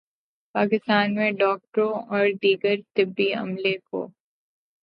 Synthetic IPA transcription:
paːkɪst̪aːnmẽɖɔːk̚ʈɾõɔːɾɖ̪iːɡəɾt̪ɪbːiɐ̰mleko̰ː

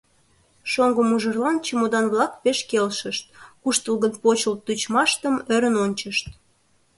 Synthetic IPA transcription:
ʃoŋɡəmuʒərlɑnt͡ɕəmod̪ɑnβlɑk̚peʃkelʃəʃt̪̚kuʃt̪əlɣənpot͡ɕəlt̪ut͡ɕmɑʃt̪əmøɾənonʲt͡ɕəʃt̪̚

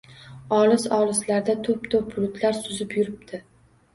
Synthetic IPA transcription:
ɒlɪsɒlˠɪslaɾd̪at̪ʰʊp̚t̪ʰop̚bʊlʊt̪ʰlaɾsʊzɪpjʊɾɪp̚t̪ʰɪ

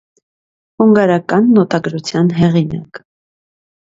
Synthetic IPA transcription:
huŋɡɑɾɑkɑnːɔt̪ɑɡɾut͡sʰjɑnɦɛʁinɑ̰k

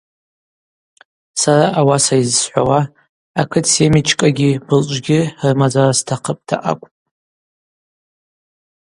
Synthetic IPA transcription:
saɾaʔawasaizsħʷawa | akʰɨtʰsemit͡ʃʰkʼaɡʲibɨlt͡ʃʷʼɡʲɪrmad͡zarastʰaqʰəpʼtʰa̰ʔa̰kʷʼpʼ

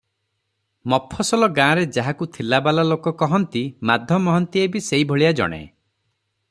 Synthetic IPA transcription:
mɔpʰːɔsɔlɔɡãɾed͡ʒaɦakut̪ʰilabalalokɔkɔɦɔnt̪imad̪ʱjɔmɔɦɔnt̪iebiseibʱɔɭijad͡ʒɔ̰ɽ̃ḛ

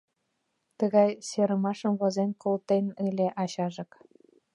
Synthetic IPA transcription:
t̪əɣɑjseɾə̆mɑʃə̆mβozenkolt̪enɯlʲeʔɑɕɑʒɤ̆k

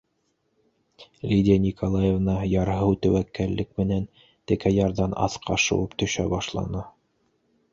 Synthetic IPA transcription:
lʲidʲɪanʲikʰolˠajevnɑjɑɾɦɤwt̪æwækːælːɘk̚mɘ̆næn | t̪ɘ̆kæjɑɾðɑnɑ̰θqʰɑʃɤ̰̆wɤpt̪ɵ̆ʃæbɑʃlˠɑ̰nɤ

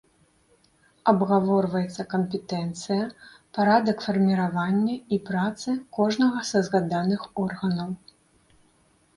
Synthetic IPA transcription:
ɐbɣavɔrvɐjɛt̪sːɐkɐmpʲɛt̪ɛnt̪sɨjɐ | paɾad̪ɐkfɐrmʲiɾavanʲːɐipɾat̪sɨkɔʐnɐɣɐsɐzɣad̪anɨxɔrɣɐnɐw

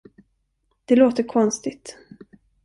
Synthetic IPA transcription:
d̪̥ɛloːt̪əkʰɔnst̪ɪt̪

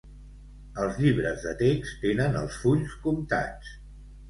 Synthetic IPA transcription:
əlˠzʎiβ̞ɾəzðət̪ekst̪enənəlˠsfuʎskumt̪a̰t͡s

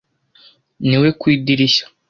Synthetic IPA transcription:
niwe̞kwiːdiɾiçḁ

